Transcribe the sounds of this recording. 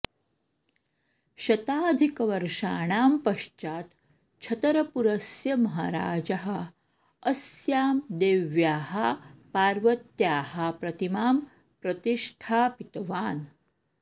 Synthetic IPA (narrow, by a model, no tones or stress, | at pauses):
ɕɐt̪aːd̪ʱikʋɐɾʂaːɳ̃aːmpɐʃt͡ʃaːt̪ | t͡ʃʰɐt̪ɐɾɐpuɾɐsjɐmɐɦɐɾa̰ːd͡ʑɐɦɐ | əsjaːmd̪eːʋjaːɦɐpaːɾʋɐt̪jaːhɐpɾɐt̪imaːm | pɾɐt̪iʂʈʰaːpit̪ʋaːn